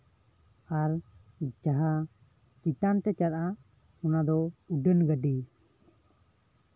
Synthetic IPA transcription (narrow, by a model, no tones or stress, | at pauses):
aɾ | d͡ʒaɦa | kit̪ant̪ɛt͡ʃaɾʔa | ɔnad̪ɔuɖənɡəɖi